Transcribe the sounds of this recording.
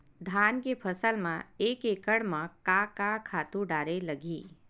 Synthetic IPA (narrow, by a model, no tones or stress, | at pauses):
d̪ʱaːnkepʰəsəlmãeːkekəɽmãkakakʰaːt̪ũɖaːɾeləɡʱiː